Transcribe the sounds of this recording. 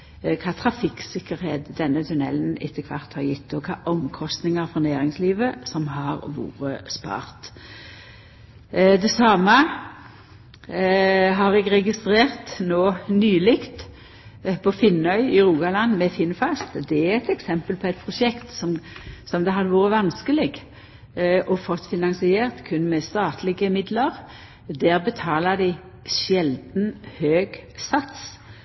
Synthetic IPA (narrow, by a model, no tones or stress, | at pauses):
kʰɑːt̪ʰʁɑfɪksɪkːəɾheːd̪d̪ɛnːət̪ʰʉnɛ̰lnɪ̰t̪ʰːəkʰʋɑ̰ʁt̪hɑɾjɪt̪̚d̪oːkʰɑːʔɔmkʰɔst̪nɪŋəɾfɔnæːɾɪŋsliːʋəsɔmhɑʁʋṵːɾəspɑ̰ːʁt̪ | d̪ɛsɑːmə | ɦɑʁɛɡʁɛɡɪst̪ʁeːʁt̪noːnyːlɪkt̪ | pʰɔfɪnœʏɪʁuːɡɑlɑnːmɛfɪnfɑst̪d̪ɛæʁɛt̪ɛksɛmpəlpʰɔɛɪt̪̚pʰʁʊʃɛkt̪sɔmsɔmd̪ɛɦɑd̪əʋuːɾəʋɑnskəlɪɡ | ʔɔfɔt̪ːfɪnɑnsɪeːʁt̪kʰʉnːmɛst̪ɑːt̪lɪɡəmɪd̪ləʁ | d̪æːʁbət̪ʰɑːləd̪ɪɪ | ʃjɛld̪n̩høːɡsɑt̪s